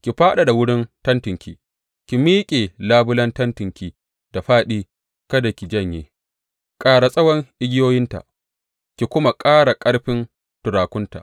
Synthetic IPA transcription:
kʲi˨ɸaː˦ɗa˨da˨wʊ˦ɽɪ˦ntɐ˦ntɪ˨ŋkʲḭ˨ | kʲi˨miː˦kʲʼe˨laː˦bʊ˦lɐ˦ntɐ˦ntɪ˨ŋkʲi˨ | d̥a˨ɸaː˦ɗiː˦ | kɐ˦da˨kʲi˨d͡ʒɐ˦˨ɲjeː˨ | kʼaː˦ɽa˨sʼɐ˦wɐ˦ŋʔɪ˦ɡʲɪ˦joː˦jɪ˦nta̰˨ʔ | kʲi˨kʷʊ˦ma˨kʼaː˦ɽa˨kʼɐ˦ɽɸɪ˦n | tʊ˨ɾaː˨kʷʊ˦nta̰˨ʔ

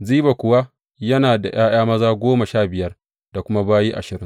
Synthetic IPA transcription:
ziː˦ba˨kʷʊ˨wa˦ | jɐ˦naː˨da˨j̰aː˦j̰aː˦mɐ˦zaː˦ɡʷoː˦ma˨ʃaː˦˨bɪ˨jɐ˦r | da˨kʷʊ˦ma˦baː˦jiː˦ʔa̰˨ʃɪ˨ɾɪ˦ŋ

